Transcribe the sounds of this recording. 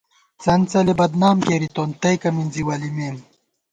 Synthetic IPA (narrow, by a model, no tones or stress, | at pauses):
t͡sɐnt͡sɐlebɐd̪naːmkeːɾit̪ont̪ɐjkɐminziwɐlimeːm